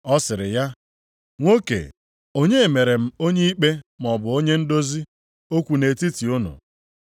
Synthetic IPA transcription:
ɔ˦sɪ˨ɾɪ̰˨ja˦ | ŋʷo˦kḛ˨ | o˦ɲe˦˨me˨ɾe˨m̩˦o˦ɲe˦i˦k͡pe˦m˨ɔ˨bʊ˨o˦ɲe˦n̩˦do˦zi˦ | o˦kʷu˨ne˨ti˦ti˨ʊ˦nʊ̰˨

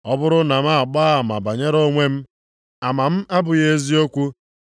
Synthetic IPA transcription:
ɔ˦bʊ˦ɾʊ˦na˨m̩˦a˦a˨k͡pa˦˨ma˨ba˨ɲe˦ɾo˦ŋʷe˦m̩˦ | a˨ma˨m̩˦a˦bʊ˨je˦zi˦o˦kʷu˦

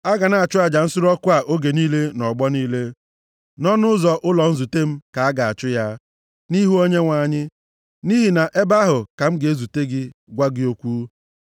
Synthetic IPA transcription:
a˦ɡa˨na˦˨a˨t͡ʃʊ˦a˨d͡ʒa˨n̩˦sʊ˦ɾɔ˦kʷʊ˦a˨ʔo˦ɡe˨niː˦le˦nɔ˨ɡ͡bɔ˦niː˦le˦ | nɔ˦nʊ˦zɔ˨ʔʊ˦lɔ˨n̩˦zu˨te˦m̩˦ka˨a˦ɡa˨a̰˨t͡ʃʊ˦ja˦ | ni˦ɦu˦o˦ɲe˦ŋʷa˨ɲɪ˦ | ni˦ɦi˨na˨ʔe˦ba˦ɦʊ˨ka˨m̩˦ɡe˦zu˨te˦ɡɪ˦ɡʷa˦ɡɪ˦o˦kʷuː˦

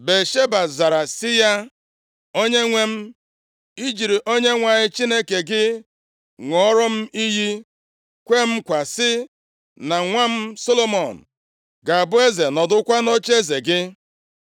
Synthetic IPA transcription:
be˨ʃe˦ba˨za˨ɾa˨sɪ˦ja˦ | o˦ɲe˦ŋʷe˦m̩˦ | i˦d͡ʒi˨ɾi˨ʔo˦ɲe˦ŋʷa˨ɲɪ˦t͡ʃi˦ne˦ke˨ɡɪ˦ | ŋɔ˦ɾɔ˦m̩˦i˦ɦi˦ | kʷe˦m̩˦kʷa˨sɪ˦ | na˨ŋʷa˦m̩˦so˦lo˦mɔ˨n̩˨ | ɡa˨a˨bʊ˦e˦ze˨nɔ˨dʊ˦kʷa˦no˦t͡ʃe˦ze˨ɡɪ˦

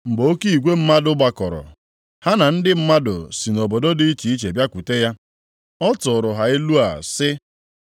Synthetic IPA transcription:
ŋ͡m̩˨ɡ͡bo˨o˦ki˦i˨ɡʷe˦m̩˦ma˦dʊ˦ɡ͡ba˦kɔ˨ɾɔ̰˨ | ha˦na˨n̩˦dɪ˦m̩˦ma˦dʊ̰˨si˨nɔ˨bɔ˨dɔ˦dɪ˦i˦t͡ʃi˨i˦t͡ʃe˨bja˦kʷu˨te˦ja˦ | ɔ˦tʊ˨ɾʊ˨ɦa˨ɪ˦lu˦a˨sɪ˦

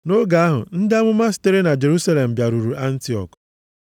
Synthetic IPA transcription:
no˦ɡa˨a˦ɦʊ̰˨n̩˦dɪ˦a˦mʊ˦ma˦s̬ɪ̥˦te˦ɾe˦na˨d͡ʒe˨ɾu˦sa˦le˨m̩˨bja˨ɾu˨ɾu˨ʔa˦n̩˦ti˦ɔ̰˨k

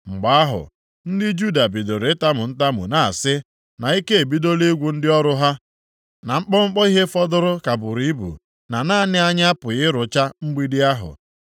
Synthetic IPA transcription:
ŋ͡m̩˨ɡ͡ba˨a˦ɦʊ̰˨ | n̩˦dɪ˦d͡ʒu˦˨da˨bi˨do˨ɾe˨˦ta˦mʊ˨n̩˦ta˦mʊ̰˨na˨a̰˨sɪ˦ | na˨i˦ke˦e˨bi˦do˦le˦ɡʷu˨n̩˦dɪ˦ɔ˦ɾʊ˦ɦa˦ | na˨ŋ͡m̩˦k͡pɔ˦ŋ͡m̩˦k͡pɔ˦i˦ɦe˦fɔ˦dʊ˦ɾʊ˦ka˨bʊ˨ɾi˦bṵ˨ | na˨na˦˨nɪ˦a˦ɲ˦a˦pʊ˨ɣɪ˦ɾʊ˨t͡ʃa˦ŋ͡m̩˦ɡ͡bi˦dɪ˦a˦ɦʊ̰˨

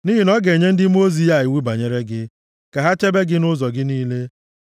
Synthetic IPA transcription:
ni˦ɦi˨nɔ˦ɡe˨ɲe˦n̩˦dɪ˦m˦o˦zi˦a˨ɪ˨wi˦ba˨ɲe˦ɾe˦ɡɪ˦ | ka˨ɦa˦t͡ʃe˦be˦ɡɪ˦nʊ˦zɔ˨ɡɪ˦niː˦le˦

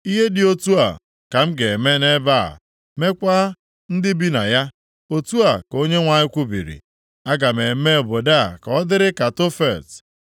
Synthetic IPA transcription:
i˦ɦe˦dɪ˨o˦tu˦a̰˨ | ka˨m̩˦ɡe˨me˦ne˦ba̰˦˨ | me˦kʷa˦ | n̩˦dɪ˦bi˦na˨ja˦ | o˦tu˦a˨ko˦ɲe˦ŋʷa˨ɲɪ˦kʷu˦bḭ˨ɾḭ˨ | a˦ɡa˨me˨˦me˦˨bo˨da˦˨ka˨ɔ˦dɪ˦ɾɪ˦ka˨to˦fe˨t

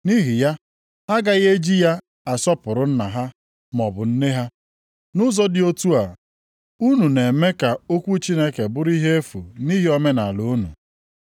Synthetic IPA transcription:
ni˦ɦi˨ja˦ | ha˦ɡa˦ɣe˦d͡ʒi˦ja˦ | a˨sɔ˦pʊ˨ɾʊ˦n̩˦na˨ɦa˦ | mɔ˨bʊ˨n̩˦ne˦ɦa˦ | nʊ˦zɔ˦dɪ˨o˦tu˦a˨ | u˦nu˨ne˨me˦ka˨o˦kʷu˦t͡ʃi˦ne˦ke˨bʊ˦ɾi˦ɦe˦e˦fṵ˨ni˦ɦi˦ɔ˦me˦na˨lu˨˦nṵ˨

